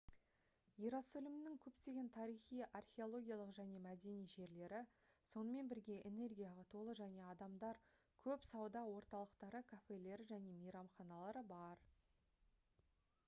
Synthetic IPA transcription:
jiɾosolʲɪmɪnɪŋkʲʰɵpt̪e̞ɡʲe̞nt̪ʰɑɾijχijɑrχʲe̞o̞lˠo̞ɡʲijalˠəqʒæne̞mæd̪e̞nijʒe̞ɾle̞ɾɪ | so̞nəme̞nbɪɾɡʲe̞ʔene̞rɡʲijɑlˠɑt̪ʰo̞lˠəʒæne̞ɑd̪ɑmd̪ɑɾ | kʲʰɵpsɑwd̪ɑwo̞ɾt̪ɑlˠəqt̪ɑɾəkʰafe̞le̞ɾɪʒæne̞mejɾɑmχɑnɑlˠɑɾəbɑɾ

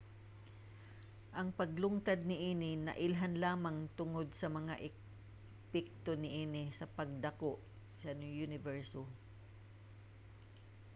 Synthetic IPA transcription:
ʔɐŋpɐɡlʊŋt̪ɐd̪̚nɪʔiːnɪnɐ̰ʔɪlɦanlaːmɐŋt̪ʊŋod̪̚sɐmɐŋa̰ʔɪ | pɛk̚t̪onɪʔiːnɪsɐpɐɡ̚d̪ɐkoʔ | sɐnjunɪvɛɹso

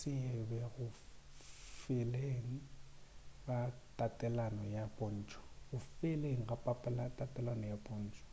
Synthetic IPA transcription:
sɪɛbɛɣʊ | fɪleŋ̩ | ɣatʼatʼɛlanɔjapʼɔn̩ːt͡ʃʼɔ̥ɣʊfɪleŋ̩ɣapʼapʼɛlatʼapʼɛlanɔjapʼɔn̩ːt͡ʃʼɔ̥

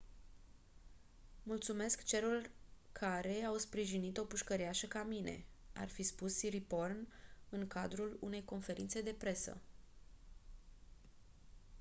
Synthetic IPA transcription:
mult̪sume̞skt͡ʃe̞ɾurkʰaɾe̞awspɾiʒinit̪o̞puʃkəɾiaʃəkamine̞̰a̰rfispusːiɾipo̞rnɨŋkad̪ɾulune̞jko̞nfe̞ɾint̪se̞d̪e̞pɾe̞sə̰

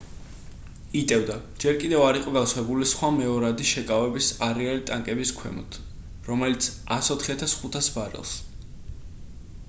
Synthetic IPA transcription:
it̪ʼɛvd̪a | d͡ʒɛɾkʼid̪ɛvaɾiqʼɔɡaswɛbulisχwamɛɔɾad̪iʃɛkʼavɛbisaɾɛalit̪ʼaŋkʼɛbiskʰwɛ̰mɔ̰t̪ʰ | ɾɔmɛlit̪sʰ | asɔt̪ʰχiat̪ʰasχut̪ʰasbaɾɛ̰lˠs

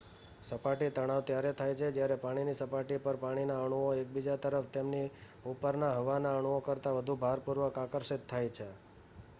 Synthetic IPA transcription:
səpaʈit̪əɽ̃aʋt̪jaɾet̪ʰajt͡ʃʰed͡ʒjaɾɛpaɽ̃inisəpaʈipəɾpaɽ̃inaəɽ̃uoek̚bid͡ʒat̪əɾəft̪emni | upəɾnaɦəʋanaəɽ̃uokəɾt̪aʋəd̪ʱubʱaɾpuɾʋəkakəɾʃɪt̪ʰːajt͡ʃʰe

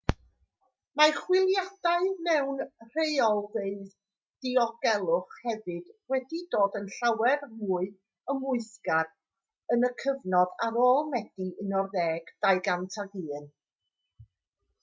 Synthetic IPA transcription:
maχwɪlˠjad̥aɨnɛwnr̥ejɔlˠveɨð | d̥iɔɡ̥ɛlˠʊχhɛvɨd̥wɛdidoːdənɬawɛrmuːɨ | əmʊɨskad | ənəkʰəvnɔðaɾoːlˠmɛd̥iʔənɔrðɛːɡ̥d̥ajɡantʰaɡiːn

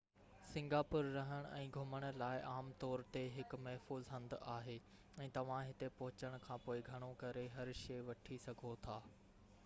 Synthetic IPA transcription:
sɪ̃ŋɡaːpʊɾːɐɦəɽ̃ɛ̃ːɡʱʊməɽ̃̆laːɪʔaːmt̪ɔːɾt̪eɦɪkmɐɦfuːzɦɐ̃nd̪aːɦeː | ɛ̃ːt̪ɐʋ̤ãɦɪt̪epɐɦʊt͡ɕəɽ̃kʰãːpoːɪɡʱɐɽ̃okɐɾeɦɐɾʃeːʋɐʈʰisɐɡʱot̪ʰaː

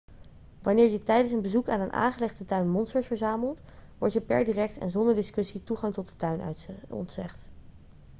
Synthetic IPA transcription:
ʋɑnɪːɹjətɛjdənsənbəzukaːnənʔa̰ːnχəlɛχdətœɥnmɔnstəɹsfəɹzaːməlˠt | ʋɔ̰ɹtjəpɛ̰ɹdiːrɛk̚tɛ̰nzɔndəɹdɪskɵsituχɑŋtɔt̚dətœɥn̰ɔ̰ntsɛ̰χt

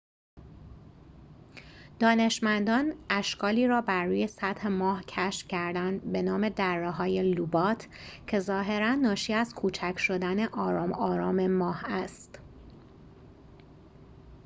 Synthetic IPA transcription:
d̪̥ɒːne̞ʃmænd̪ɒːnæʃkɒːliːɾɒːbæɾːuːje̞sæd̪he̞mɒːhcʰæʃfcʰæɾd̪ænd̪be̞nɒːme̞d̪ærːeɦɒːje̞lubɒːt̪ʰcʰe̞zɒːɦe̞ɾænːɒːʃiːæzkʰuːt͡ʃʰæcʰʃo̞d̪æne̞ʔɒːɾɒːmɒːɾɒːme̞mɒːhæst̪

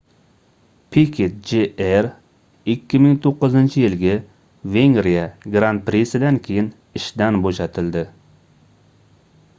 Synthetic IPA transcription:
pʰikʰʲet̪̚d͡ʒeeɾ | ɪkʲːimɪŋt̪ʰoqːɨzɪnt͡ʃʰijɪlɡʲɛ | veŋɾijɛɡɾant̪̚pɾesɪd̪ɛnkʲʰejɪn | ɪʃd̪ɛnboʃɛt̪ʰɪld̪ɪ

